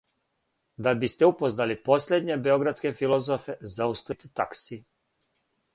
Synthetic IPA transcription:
d̪abist̪eupo̞znalipo̞slʲed̪ɲebe̞o̞ɡɾat̪ske̞filˠo̞zofezaust̪it̪it̪aksi

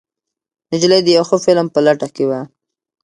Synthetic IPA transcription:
nɪd͡ʒlajd̪əjawxəfɪlmpəlaʈakewa

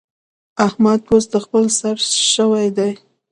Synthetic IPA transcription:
ahmad̪̚osd̪əxpəlsaɾʃəwajd̪aj

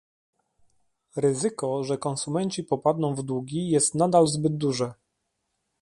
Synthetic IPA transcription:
ɾɘzɘkɔʐɛkɔnsumɛɲt͡ɕipɔpad̪nɔ̃w̃vd̪wuɡʲijɛst̪nad̪alzbɘd̪̚d̪uʐɛ

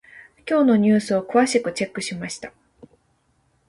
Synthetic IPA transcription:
kʲo̞ːno̞ɲ̟ɨ̟ːsɨo̞kɯ̟βaɕikɯ̟t͡ɕe̞kːɯ̟ɕimaɕi̥t̪ḁ

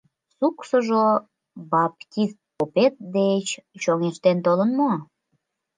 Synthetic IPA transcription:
suksəʒo | bɑpt̪ʲist̪̚popet̪̚d̪et͡ɕt͡ɕoŋeʃt̪ent̪olənmo

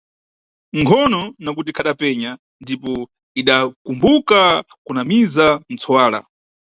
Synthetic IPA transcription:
ŋkʰɔnɔnak̬ut̬ikʰaɗapɛɲa | ndipɔ | iɗakumbuka | kunamizan̩t͡sʰɔwaːla̰

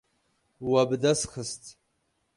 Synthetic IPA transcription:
wabdasχəstʼ

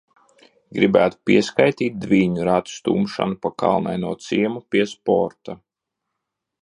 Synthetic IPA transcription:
ɡɾibæːt̪u̥piɛskajt̪iːt̪̚d̪viːɲuɾat̪u̥st̪ṵːmʃa̰nupaka̰lˠna̰jnuɔt̪siɛmupʲiɛspɔ̰ɾt̪a

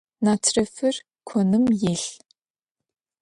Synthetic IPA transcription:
naːtʰrɐfɨr | kʷʰɔnɨmjeːɬ

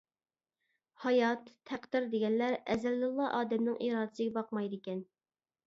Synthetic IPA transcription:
hɑjɑt̪ʰːæqd̪ɪɾd̪eɡʲɛnlæɾɛzælːɨlˠːɑʔɑːd̪ɛmnɨŋʔiːɾɑːd̪ɨsɨɡʲɛbɑq̚mɑjd̪ɪkʲɛn

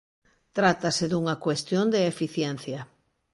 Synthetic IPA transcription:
t̪ɾat̪asɪðuŋɐkwest̪jond̪eefiθjɛnθjɐ

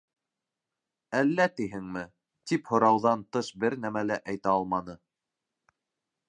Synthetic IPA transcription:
ælːæt̪iɦɘŋmɘ | t̪iphŏɾɑwðɑnt̪ɤʃbɘɾnæmælæʔæjt̪æɑlˠmɑnɤ

